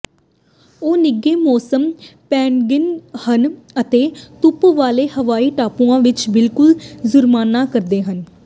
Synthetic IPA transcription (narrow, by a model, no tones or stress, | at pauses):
oːnɪɡeːmɔːsəmpɛːɳɡɪnhən | ət̪eːt̪ʊpʋaːleːhəʋaːiːʈaːpũːãːʋɪt͡ʃbɪlkʊlzʊɾmaːnːaːkəɾd̪eːɦən